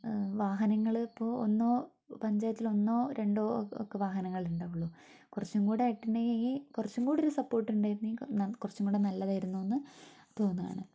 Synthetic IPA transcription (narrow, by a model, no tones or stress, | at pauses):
ʋaːɦɐnɐŋːɐɭipːo̞ːo̰nːoː | pɐɲd͡ʑaːjt̪ːilo̞nːo̞ːɾe̞ɳɖoːo̰kːeʋaːɦɐnɐŋːɐɭiɾuɳɖaːʋuɭːu | kurɐt͡ɕːumɡuːɽeɐiʈːinɖeikurɐt͡ɕːumɡuːɽeoɾusɐpːo̞ːrʈːuɳɖaːjɾunːikurɐt͡ɕːumkuːɽenɐlːɐðaːjiɾunːuenːɨt̪o̞ːnːuða̰ːɳɨ̰